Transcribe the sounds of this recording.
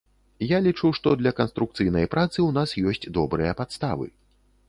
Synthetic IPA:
jalʲit͡ʂuʂt̪ɔd̪lʲɐkɐnst̪ɾuk̚t̪sɨjnɐjpɾat̪sɨwnasjɔsʲt͡sʲd̪ɔbɾɨjɐpat̪st̪a̰vɨ̰

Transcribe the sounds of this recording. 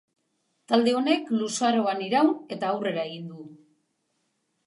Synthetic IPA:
t̪ald̪e̞o̞ne̞klusaɾo̞aniɾawne̞t̪aːwre̞ɾae̞ɣind̪u

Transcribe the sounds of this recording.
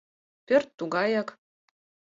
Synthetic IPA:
pʲørʲt̪ːuɡɑjɑk

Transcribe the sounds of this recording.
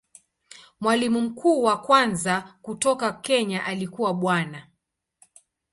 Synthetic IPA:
mwalimum̩kʰuːwakwanzakutɔkakɛɲaʔalikuwaɓwana

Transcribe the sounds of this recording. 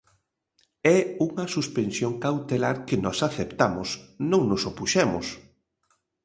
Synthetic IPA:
ɛuŋɐsuspensjoŋkawt̪elaɾkɪnɔsaθept̪amʊsnõŋnʊsopuʃɛmʊ̰s

